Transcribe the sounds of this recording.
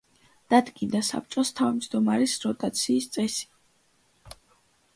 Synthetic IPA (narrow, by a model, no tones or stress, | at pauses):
d̪̥ad̪ɡind̪asa̰p̚t͡ʃʼɔst̪ʰavmd͡ʒd̪ɔmaɾisɾɔt̪ʼat̪sʰiːst̪sʼɛsi̥